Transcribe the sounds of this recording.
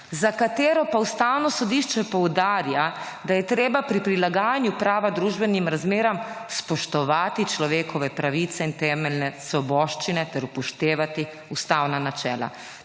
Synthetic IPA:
zakat̪eːɾɔpaust̪awnɔsɔd̪iːʃt͡ʃɛpɔwd̪aːɾja | d̪ajɛt̪ɾeːbapɾipɾilaɡaːjanjupɾaːʋad̪ɾuːʒbɛnimɾazmeːɾamspɔʃt̪ɔʋaːt̪it͡ʃlɔʋeːkʰɔʋɛpɾaʋiːt̪sɛint̪ɛːmɛlnɛsʋɔbɔːʃt͡ʃinɛt̪ɛɾupɔʃt̪eːʋat̪i | ust̪aːwnanat͡ʃɛːla̰

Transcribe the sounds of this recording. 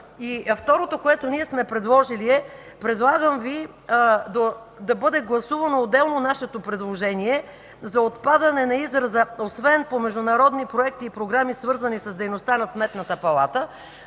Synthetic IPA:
ift̪ɔɾot̪okoɛt̪oniɛsmɛpɾɛd̪lˠɔʒiliɛ | pɾɛd̪lˠaɡəmvi | d̪o | d̪ɐbɤd̪ɛɡlˠɐsuvɐnoːd̪ːɛlˠnonaʃɛt̪opɾɛd̪lˠoʒɛniɛ | zɐot̪pad̪ɐnɛnɐizɾɐzəosvɛnpomɛʒd̪ʊnɐɾɔd̪nipɾoɛk̚t̪iːpɾoɡɾamisvɤɾzɐnisɐzd̪ɛjnost̪anɐsmɛt̪nɐt̪əpɐlˠa̰t̪ə

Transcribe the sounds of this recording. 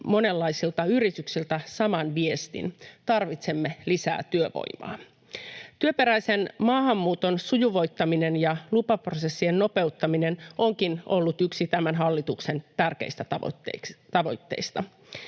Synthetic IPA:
mo̞ne̞lːɑisilt̪ɑyɾit̪yksilt̪æsɑmɑnʋiest̪ḭnt̪ɑrʋit̪semːelisæ̰ːt̪yøʋo̰jmɑ̰ː | t̪yøpe̞ɾæisenmɑːhɑmːuːt̪o̞nsujuʋo̞jt̪ːɑminenjɑlupɑprose̞sːienːo̞pe̞ut̪ːɑmine̞noŋkinolːut̪yksit̪æmænɦɑlːit̪ukse̞nt̪ærk̟ḛist̪æt̪ɑ̰tːet̪ɑʋo̞̰jt̪ːe̞̰ist̪ɑ

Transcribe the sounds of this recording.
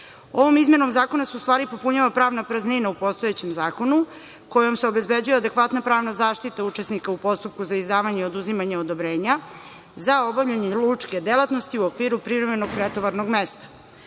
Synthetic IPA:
o̞ʋo̞mizmje̞no̞mzaːko̞nasuust̪ʋaːɾipo̞puɲaʋapɾaːʋnapɾazninaupo̞st̪o̞jet͡ɕe̞mzaːko̞nu | ko̞jo̞mseo̞be̞zbe̞d͡ʑujead̪e̞kʋat̪napɾaːʋnazaːʃt̪it̪aut͡ʃesnikaupo̞st̪up̚kuzaizd̪aːʋaɲeo̞d̪uzimaɲeod̪o̞bɾeːɲa | zao̞bavʎaɲelˠut͡ʃke̞d̪elˠat̪no̞st̪iuokʋiːɾupɾivɾe̞me̞noɡ̚pɾet̪oʋaɾno̞ɡmest̪ḁ

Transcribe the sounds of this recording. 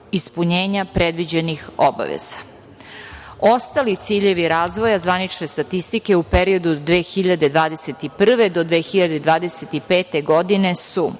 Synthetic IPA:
ispuɲeːɲapɾed̪ʋid͡ʑe̞nixo̞ba̰ʋḛz̥a | o̞st̪alit̪siːʎe̞ʋiɾaːzʋo̞jazʋanit͡ʃne̞st̪at̪ist̪ike̞upeɾio̞d̪ud̪d̪ːʋeːxiʎad̪e̞d̪ʋaːd̪e̞se̞t̪ipr̩ʋe̞d̪o̞d̪ʋe̞ːxiʎad̪e̞d̪ʋaːd̪eset̪ipe̞ːt̪e̞ɡo̞d̪ine̞su

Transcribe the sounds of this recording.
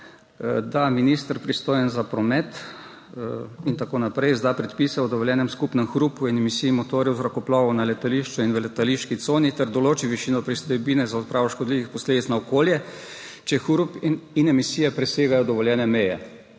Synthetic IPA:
d̪aminist̪əɾpɾist̪oːjɛnzapɾɔmɛt̪ | int̪akoːnapɾɛjzd̪apɾɛt̪pisɛɔd̪ɔʋɔljɛːnɛmskupnɛmxɾupuinɛmisiimɔt̪oːɾjɛwzɾakɔplɔːʋɔnalɛt̪aliʃt͡ʃuinʋəlɛt̪aliʃkit̪soːnit̪ɛɾd̪ɔloːt͡ʃiʋiʃiːnɔpɾist̪ɔjbiːnɛzaɔt̪̚pɾʔaːʋɔʃkɔd̪liʋixpɔsleːd̪it̪snaɔkoːljɛ | t͡ʃɛxuɾupinɛmisiːjɛpɾɛseːɡajɔd̪ɔʋɔljɛːnɛmɛjɛ̰

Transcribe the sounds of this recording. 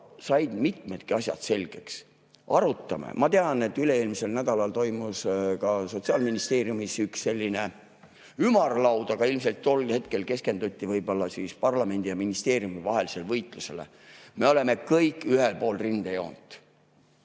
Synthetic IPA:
sɑjd̪̥mit̪me̞t̪kiɑsjɑ̰d̪̥se̞lʲɡ̥e̞ks | ʔɑɾut̪ːˑɑmḛmɑt̪e̞ɑne̞t̪ːˑyleeːlmiselnæd̪ɑlɑlt̪o̞jmuskɑso̞t̪siɑːlminist̪e̞ːɾjumisyksːelʲːine̞ | ymɑrlɑwd̪ɑkɑilms̬e̞lt̪t̪ːo̞lhe̞t̪̚ke̞lke̞ske̞nd̪ut̪ʲˑːivɤjbo̞lːɑsispɑrlɑme̞nd̪ijɑminist̪e̞ːɾijumivɑɦe̞lise̞lvɤjt̪ˑluse̞le̞̰ | me̞o̞le̞me̞kɤjkːˑyhelpo̞ːlrind̪̥ejo̞̰ːnd̪̥

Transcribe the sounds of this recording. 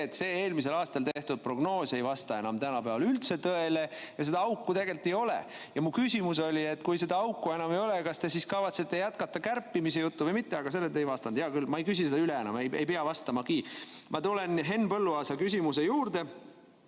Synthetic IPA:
et̪se̞ːeːlmis̬e̞lɑːst̪ɑlt̪eht̪ud̪̥̚pro̞ɡ̥no̞ːse̞jvɑst̪ɑe̞nɑmt̪ænɑpæɑlylt̪se̞t̪ɤe̞lejɑse̞d̪ɑɑukːut̪e̞ɡe̞lt̪ːˑejo̞lḛ | jɑmukysʲimus̬o̞lʲie̞t̪ːˑkujse̞d̪ɑɑwkːue̞nɑmejo̞lekɑst̪e̞siskɑvɑt̪set̪ːejæt̪̚kɑt̪ːɑkærpːimise̞jut̪ːuvəjmit̪ːe̞ɑɡɑse̞lːet̪ːe̞jvɑst̪ɑnd̪jɑkylmɑejkysʲised̪ɑyleenɑ̰mejejpeɑvɑst̪ɑmɑkiːmʔɑt̪ulenɦe̞nːpɤlːuɑːsɑkysʲimuse̞juːrd̪e̞

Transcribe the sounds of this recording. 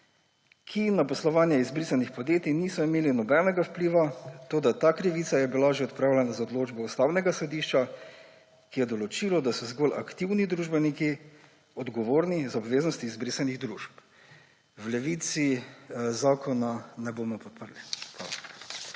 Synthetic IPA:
kʰinapɔslɔʋaːnjɛizbɾisanixpod̪jeːt̪iniːsɔimeːlinɔbɛnɛɡawpliʋat̪oːd̪at̪aːkɾiʋit̪sajɛbilaʒeɔt̪̚pɾaːwlʲɛnazaoɔd̪loːd͡ʒbɔust̪awnɛɡasɔd̪iʃt͡ʃa | kijɛd̪ɔlɔt͡ʃilɔd̪asɔzɡɔlʔa̰kt̪iwnid̪ɾuːʒbɛniki | ɔd̪ɡɔʋoːɾnizɔbʋeːznɔst̪iːzbɾisaniɣd̪ɾuːʃp | wlɛʋiːt̪sizaːkʰɔnanɛbomɔpɔt̪̚pəɾlipa̰

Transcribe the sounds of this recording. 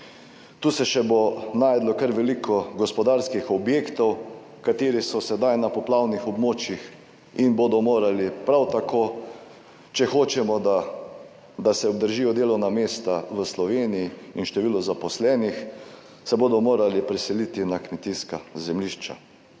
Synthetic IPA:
t̪uːsɛʃɛbonaːjd̪lɔkəɾʋɛlikʰɔɡɔspɔd̪aːɾskixɔbjeːkt̪ɔw | kat̪eːɾisɔsɛd̪ajnapɔplawnixɔbmoːt͡ʃjix | inbod̪ɔmoːɾalipɾawt̪akʰoː | t͡ʃɛxoːt͡ʃɛmɔd̪a | d̪asɛɔb̚d̪əɾʒiːjɔd̪eːlɔwnameːst̪aʋəslɔʋeːnijiinʃt̪ɛʋiːlɔzapɔslɛːnix | sɛboːd̪ɔmoːɾalipɾɛsɛlit̪inakmɛt̪iːskazɛmliʃt͡ʃa̰

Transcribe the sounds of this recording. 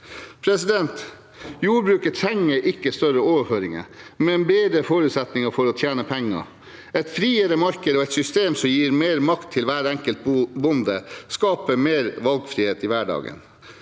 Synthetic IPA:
pʰɾɛsɪd̪ɛnt̪ | juːɾbɾʉːkət̪ʰɾɛŋːəɾʔɪkːəst̪œɾəoːʋəføːɾɪŋə̰mɛɛnbeːd̪ɾəfoːɾʉːt̪sɛt̪nɪŋəfɔɾɔt̪ʰjæːnəpʰɛŋːə̰ | ɛɪt̪fɾiːəɾəmɑɾkəd̪əɔɛt̪sʏst̪eːmsɔmjiːɾmeːɾmɑkt̪ʰːɪlʋæːɾɛŋkəlt̪̚bʊnd̪əskɑːpəmeːɾʋɑlɡfɾiːheːt̪ɪʋæɖɑ̰ːɡə̰n

